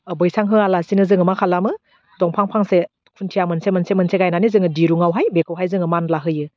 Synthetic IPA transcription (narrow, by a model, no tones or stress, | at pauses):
bɯjsaŋɦɯalasinɯzɯŋɯmakʰalamɯ | tɔŋpʰaŋpʰaŋse | kʰuntʰijamɯnsemənsemənseɡajnanizɯŋɯdiɾuŋawɦajbekʰawɦajzɯŋɯmanlaɦɯjɯ